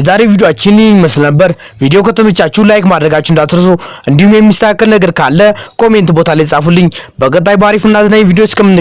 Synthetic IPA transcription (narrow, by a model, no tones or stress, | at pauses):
zaɾe̞vid̪joat͡ʃːɪnməslnəbːəɾ | vid̪ejo̞kʰət̪ʰəmət͡ʃːat͡ʃːulajkmad̪ɾəɡat͡ʃːɪɨnd̪at̪ɾəsoʔɨnd̪ihumjɛmːist̪ʰəkakːəlnəɡəɾkʰalːəkʰo̞me̞nt̪bo̞t̪ʰalajsʼafulːɨɲːbəkʼət̪ʼːajbaɾifɨnːazɨnaɲvid̪ejot͡ʃːkʰəmːɨnːɨ